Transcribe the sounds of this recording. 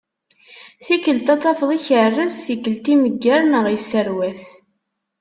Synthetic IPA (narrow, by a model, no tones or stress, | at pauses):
θikəlt̪ɑt͡s̪ˤːɑfðˤiçərːəzθikːəlt̪iməɡːæɾnəʁəsːəɾwæθ